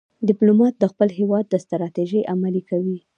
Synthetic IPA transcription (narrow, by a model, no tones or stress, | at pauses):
d̪ɪplomɑt̪̚d̪əxpəlɦewɑd̪̚ːəst̪ɾɑt̪eʒəjʔamalikawi